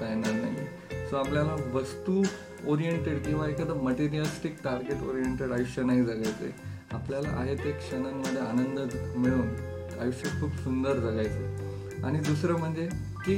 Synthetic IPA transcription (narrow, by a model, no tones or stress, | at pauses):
ajnaɾnaɦi | soapljalaʋəst̪u | oɾijeɳʈeɽkĩw̃ʋaekaəd̪əməʈiɾialsʈik̚ʈaɾɡeʈo̰ɾieɳʈeɽajuɕjənaɦid͡zʱaljajt͡sə̰ | apljala̰ʔa̰ɦet̪ekɕənamːəd̪ʱːjeanənd̪əmiɭuːn | ajuɕjəkʰːuːpsund̪əɾd͡zʱaljajt͡sə | a̰ɽ̃id̪usɾəːm̤əɳd͡ze | ki